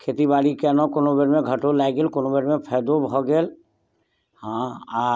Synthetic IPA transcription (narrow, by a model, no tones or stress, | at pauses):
kʰeːt̪ibaːɽikenɔ̃konobeɾmẽɡʱəʈolajɡeːlkonobeɾmẽpʰɛːd̪obʱɔɡeːl | hãa